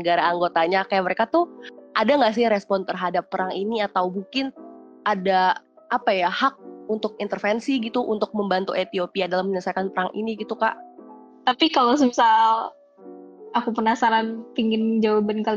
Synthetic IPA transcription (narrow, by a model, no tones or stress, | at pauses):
əɡaɾaːŋɡot̪aɲakajaʔməɾekat̪uʔadaŋɡaʔs̬ɪɾɛspɔnt̪ərɦadapːəɾaŋiniat̪awbuŋkɪn | ʔada | ʔapajahak̚unt̪ʊk̚int̪ərfɛnsiɡit̪uʔunt̪ʊk̚məmbant̪ṵʔet̪iopiadalamːəɲəsakanpəɾaŋʔḭniɡit̪uka̰ʔ | t̪apikalos̬əmisal | akupənasaɾanpiŋɡɪnd͡ʒawabənkal